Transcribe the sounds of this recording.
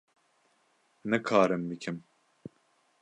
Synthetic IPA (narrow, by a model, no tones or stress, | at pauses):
nɛkʰaːɾɨmbɨkʰim